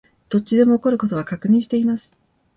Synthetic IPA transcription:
t̪o̞tt͡ɕːid̪e̞mo̞ːko̞ɾɯ̟ko̞t̪o̞βakakɯ̟ɲ̟ĩɕi̥t̪e̞imasɨ̥

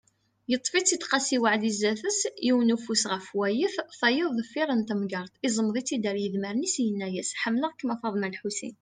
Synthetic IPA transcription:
jət̪ˤːfit͡sːit̪qɑsiwaʕd̪izːæθəsjiwənufusʁəfwæjəθθæjəðˤðəfːiɾˤənt̪æmɡɑɾˤt̪ˤizˤəmðˤit͡sːid̪əɾjəðməɾnisjənːæjæsħəmːləʁkːmɑfɑðˤmælħusḭn

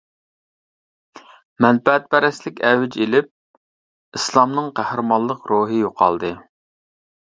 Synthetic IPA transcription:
mɛnpɛɛt̪̚pɛɾɛslɪkʲɛwɪd͡ʒelɪp̚ | islˠɑmnɨŋqʰæhɾɨmɑnlˠəqɾoɦɨjoqʰɑ̰lˠd̪ɨ

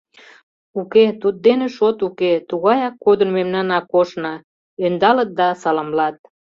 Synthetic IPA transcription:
uket̪ut̪̚d̪enĕʃot̪uket̪uɣɑjɑkːod̪ənmemnɑnɑkoʃnɑ | ønd̪ɑlət̪̚d̪ɑsɑlɑmlɑt̪̚

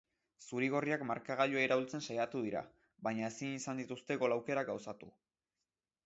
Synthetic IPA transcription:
suɾiɣ̞o̞riakmaɾkaɣ̞aʎoaeɾaβilt͡se̞nsajat̪uð̞iɾa̰ | βaɲaesinisand̪it̪ust̪e̞ɣo̞lawke̞ɾaɡawsat̪u

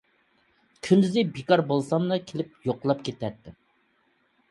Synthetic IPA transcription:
kʲʰynd̪ɪzɪbekɑɾbolˠsɑmnɨkʲʰelɪp̚joqlˠɑpkʲʰet̪ɛt̪ːɪ

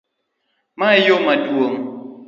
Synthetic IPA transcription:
majomadwoŋ

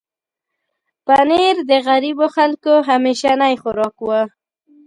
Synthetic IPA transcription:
paneɾd̪əɣaɾiboxalkoɦameʃanajxʊɾɑkwa

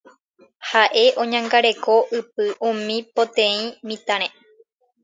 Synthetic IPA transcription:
haʔe̞ʔõ̞ɲãŋɡaɾe̞ko̞ʔɨp̚ɨʔũmĩpot̪ẽĩmĩt̪ãɾ̃ẽ

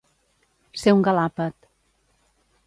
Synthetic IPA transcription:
sewŋɡalapət̪

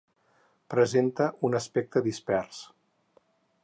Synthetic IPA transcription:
pɾəzent̪əʔunəspɛk̚t̪əðispɛrs

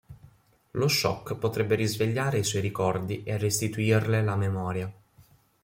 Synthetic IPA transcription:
loʃːɔ̰kːpot̪ɾɛbːeɾizveʎːaːɾeiswɔjɾikɔrd̪iʔerːest̪it̪uirlelamemɔːɾja

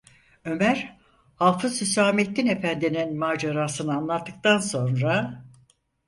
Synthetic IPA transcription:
ø̞mæɾ | halˠfɯsysaːmet̪ʰːine̞fænd̪ininmaːd͡ʒaɾaːsɯnɯanlˠat̪ːɯk̚t̪anso̞nɾa

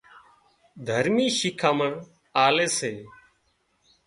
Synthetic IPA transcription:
d̪ʱəɾmiːʃɪkʰaːməɳ | aːleːseː

